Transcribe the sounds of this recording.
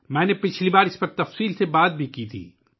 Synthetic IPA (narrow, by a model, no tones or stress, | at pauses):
mɛ̃ːnepɪt͡ʃʰlibaːɾɪspɐɾt̪ɐfsiːlsebaːd̪̚bʱikit̪ʰḭː